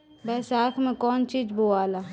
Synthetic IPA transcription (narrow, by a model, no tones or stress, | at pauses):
bɛːsaːkʰmẽkɔːnt͡ʃiːd͡ʒboaːlaː